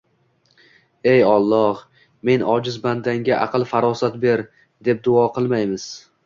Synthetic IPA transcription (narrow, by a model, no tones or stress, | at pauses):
ejɒlˠːɒh | me̞nɒd͡ʒɪzband̪aŋɡʲaʔɑqʰɨlˠfaɾɒsat̪be̞ɾ | d̪e̞p̚d̪ʊɒqʰɨlˠmajmɪz̥